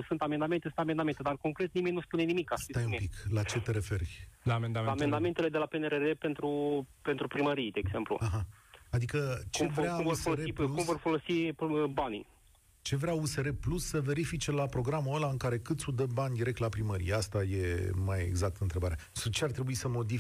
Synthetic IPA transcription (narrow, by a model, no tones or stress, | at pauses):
sɨnt̪ame̞nd̪ame̞nt̪esɨnt̪ame̞nd̪ame̞nt̪e̞d̪arko̞ŋkɾe̞t̪̚nime̞nʲnuspune̞nimikast̪ajumpiklat͡ʃe̞t̪eɾe̞fe̞rlaːmend̪aaːme̞nd̪ame̞nt̪ele̞d̪e̞lapeneɾerepe̞nt̪ɾupe̞nt̪ɾupɾiməɾijd̪eːɡze̞mplṵaɦaad̪ikət͡ʃevɾeaofsoeoɾeiluumvo̞rfo̞lo̞sibanḭ | t͡ʃe̞vɾeause̞ɾe̞plusːəve̞ɾifit͡ʃe̞lapɾo̞ɡɾamuəlaɨŋkaɾe̞kɨt̪sʲud̪əbanʲd̪iɾekt̪lapɾiməɾḭjeast̪aje̞majḛɡzak̚t̪əɨnt̪ɾe̞baɾeasut͡ʃeaɾrt̪ɾe̞buisəmo̞d̪i